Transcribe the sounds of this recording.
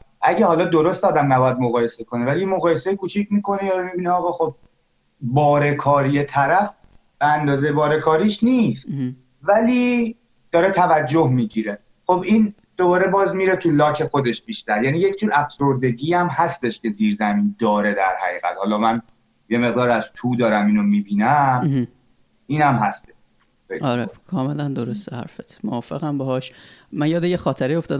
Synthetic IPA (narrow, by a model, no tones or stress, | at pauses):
ʔæɟehɒːlɒːd̪oɾost̪ɒːd̪æmnæbɒːjæd̪̚moɣɒːje̞se̞kʰo̞nevælijemoɣɒːjese̞jkʰuːt͡ʃʰicʰmiːko̞nejɒɾemibiniɒːɣɒːxo̞b̚ | bɒːɾe̞kʰɒːɾije̞t̪ʰæɾæf | b̥eænd̪ɒːzejebɒːɾe̞kʰɒːɾiʃniːst̪ | væliː | d̪̥ɒːɾet̪ʰævæd͡ʒːohmiːɟiɾe | xo̞bʔiːn | d̪̥obɒːɾebɒːzmiːɾet̪ʰulɒːcʰexo̞d̪eʃb̥iːʃt̪æɾjæniːjecʰd͡ʒuːɾæfsoɾd̪e̞ɡiːæmhæst̪e̞ʃkʰe̞ziːɾzæmiːnd̪ɒːɾe̞d̪æɾhæ̰ɣiːɣæ̰t̪hɒːlɒːmæn | jemeɣd̪ɒːɾæz̥t̪ʰuːd̪ɒːɾæmiːnomibiːnæmh | ʔiːnæmɦæst̪eʃ | ejlɒɾekʰɒːmelænd̪oɾost̪ehæ̰ɾfet̪ʰmoɒːfeɣæmbehɒːʃmænjɒːd̪ejexɒːt̪ʰeɾeo̞ft̪ɒːd̪